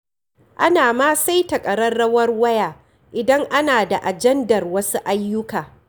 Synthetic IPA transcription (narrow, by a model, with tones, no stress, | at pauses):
ʔa˦naː˨maː˦sa˦jtɐ˨kʼɐ˨ɾɐ˦rɐ˦wɐ˦rwɐ˦jaː˨ | ʔɪ˨dɐ˦ŋʔa˦naː˨da˨ʔa˨d͡ʒɛ˦ndɐ˨rwɐ˦su˦ʔa˦jːʊ˦kaː˨